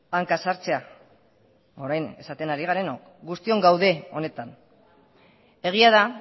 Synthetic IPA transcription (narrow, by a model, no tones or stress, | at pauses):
aŋkasaɾt͡se̞a | o̞ɾajne̞̰sat̪e̞naɾiɣaɾe̞no̞k | ɡust̪io̞ŋɡawðe̞o̞ne̞t̪an | e̞ɣ̞iað̞a